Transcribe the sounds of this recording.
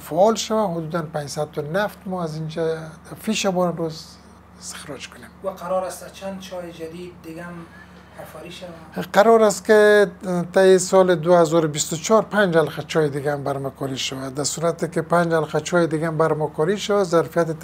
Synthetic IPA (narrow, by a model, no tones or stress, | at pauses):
faɔlʃawaɦʊd̪ud̪anpand͡ʒsad̪̚t̪ʊnaft̪mɔazind͡ʒafiʃabɔɾanɾoz | ɪst̪ɪ̥xɾɔd͡ʒkʊnemwaqʰaɾɔɾast̪at͡ʃʰand̪̚t͡ʃʰɔjɪd͡ʒad̪id̪̚ːɪɡam | afaɾiʃawaqaɾɔɾast̪kɪt̪ajɪsɔlɪd̪ʊhazɔɾʊbist̪ʊt͡ʃʰɔɾpand͡ʒhalqat͡ʃʰɔjed̪ɪɡambaɾmakʰɔɾiʃawad̪asuɾat̪ɪkɪpand͡ʒhalqat͡ʃʰɔjed̪ɪɡambaɾmakɔɾiʃawazaɾfijat̪ɪ